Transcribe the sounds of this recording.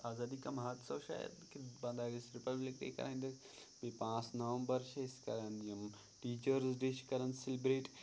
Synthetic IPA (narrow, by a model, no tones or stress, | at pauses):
aːzaːd̪ikɐmɦaːt̪sɐːʃa̰ːjə̰d̪kibɐ̃nd̪aːɡisɾɪpɐblɪkɾḛːkɐ̰ɾʔaːɦĩnd̪ɐ | bipãːt͡snɐʋə̃mbɐɾʃɪskɐɾənd̪iɐm | ʈiːt͡ʃəɾzɖeʃkɐɾənsɪlɪbɾeːʈ